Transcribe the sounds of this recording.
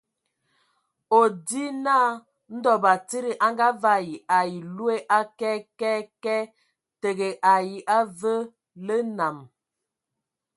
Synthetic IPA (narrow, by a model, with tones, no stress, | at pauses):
o˨di˦naː˦ | n̩˦dɔ˨ba˨ti˦ɾi˨ʔa˦ŋɡa˦va˦ji˨a˨ji˨lu˦e˦ʔa˦kɛ˦kɛ˦kɛ˦ | tə˨ɣe˨ʔa˨ji˨ʔa˦və˦ | lə˦na˨m